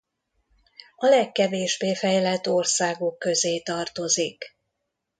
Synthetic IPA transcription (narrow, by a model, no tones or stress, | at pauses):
ɒlɛkːɛveːʒbeːfɛjlɛt̪ːo̞rsaːɡo̞kːø̞zeːt̪ɒrt̪o̞zik